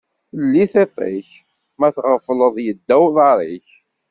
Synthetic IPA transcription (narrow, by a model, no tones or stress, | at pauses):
əlːiθet̪ˤḛç | mæθʁəfləðˤjəd̪ːæwðˤɑɾˤiç